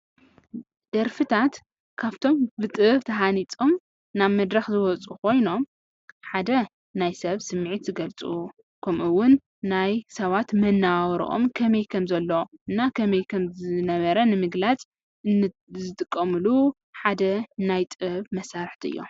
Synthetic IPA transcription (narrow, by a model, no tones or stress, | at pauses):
d̪̥ɐɾfɨt̪ʰat̪ | kʰaβt̪ʰo̞mbɨt̪ʼɨβt̪ʰɐɦanit͡sʼo̞m | naβmɐd̪ɾɐxzɨwɔt͡sʼukʰo̞jno̞m | ħad̪ɐ | najsɐβsɨmːʕit̪zɨɡɐlt͡sʼuu | kʰɐmʔuwːʊnː | ajsɐβat̪mɐnːawɾḭʔo̰mkʰɐmɐjkʰɐmzɐlːoɨnːakʰɐmɐjkʰɐmzɨnɐβɐɾɐnɨmɨɡlat͡sʼ | ɨ | zɨt̪ʼɨkʼːɐmɨlu | ħad̪ɐnajt̪ʼɨβmɐsaɾħt̪ʰiɨjːo̰